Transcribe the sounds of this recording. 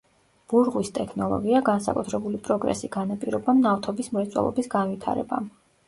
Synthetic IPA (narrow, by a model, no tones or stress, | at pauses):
b̥uɾʁwist̪ʼɛkʰnɔlˠɔ̰ɡiaɡansa̰kʼut̪ʰɾɛbulipʼɾɔɡɾɛ̰siɡ̥anapʼiɾɔbamnaft̪ʰɔbismɾɛt̪sʼwɛ̰lˠɔ̰bisɡanvit̪ʰa̰ɾɛ̰ba̰m